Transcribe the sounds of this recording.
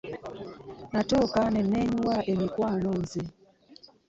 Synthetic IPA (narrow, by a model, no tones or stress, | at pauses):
natokanɛnɛɲuwaʔemikwanɔnze